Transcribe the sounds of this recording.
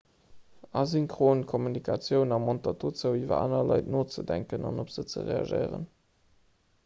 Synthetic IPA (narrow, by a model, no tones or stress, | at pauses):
ɑziŋkχoːnkʰomynikʰɑt͡sjəʊnɑmontɑtʰoːt͡səʊiːvɐ̰a̰ːnɐlɑɪtnoːt͡sədæŋkənɑ̰nopz̥ət͡sə̰ʁḛɑ̰ʒə̰ɪʁə̰n